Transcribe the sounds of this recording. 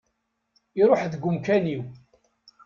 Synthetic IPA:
iɾˤoħðɡʷʊmkæniw

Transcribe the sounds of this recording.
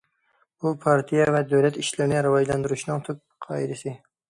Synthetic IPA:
bupʰɑɾt̪ʰijavɛd̪ɵwlɛt̪iʃlɪɾɪnɪɾɪvɑd͡ʒland̪ɪɾuʃnɪŋt̪ʰʊp̚qʰɑɪd̪ɪsɪ

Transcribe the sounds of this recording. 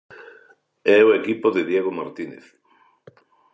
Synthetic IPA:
ɛoekipoðeðjeɣ̞omaɾt̪inḛθ

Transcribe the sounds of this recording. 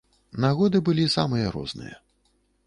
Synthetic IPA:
naɣɔd̪ɨbɨlʲisamɨjɐɾɔ̰znɨ̰jɐ

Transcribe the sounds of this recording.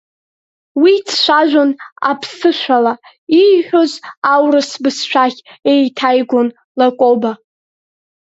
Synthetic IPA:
wit͡sʰʃʷaʒᶣʷona̰pʰsɨʃʷᶣala | iħᶣozawrɨsbɨsʃʷᶣaχʲejtʰajɡʷon | lakʼoba

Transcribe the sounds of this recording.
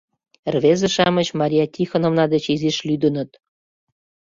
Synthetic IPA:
rβezə̆ʃɑmət͡ɕmɑɾʲiɑtʲixonŏmnɑd̪et͡ɕiziʃlyd̪ə̆nə̆t̪

